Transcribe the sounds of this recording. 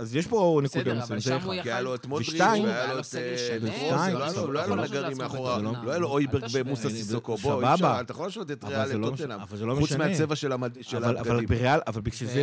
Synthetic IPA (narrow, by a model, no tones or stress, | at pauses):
azjeʃponekudammzekiajaloet̪moveʃʁitaimajalot̪voailoaaoloajalonaɡaʁimːeaχoʁazeoloajaloojbeʁɡbemusasiokoboababaat̪ajaxolaːʃovtet̪aʁevalaleloenamavalzelomeuʃnmeaet͡sevaʃelaʃelalavalbeʁealʔavalbiʃeze